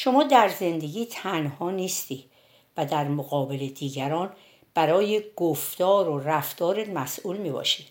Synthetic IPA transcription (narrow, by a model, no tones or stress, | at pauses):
ʃo̞mɒːd̪æɾze̞nd̪e̞ɡiːt̪ʰænhɒːniːst̪iː | væd̪æɾmoɣɒːbele̞d̪iːɡæɾɒːn | b̥æɾɒːjeɡ̥oft̪ɒːɾoræft̪ɒːɾed̪mæsʔuːlmiːbɒ̰ʃid̪̥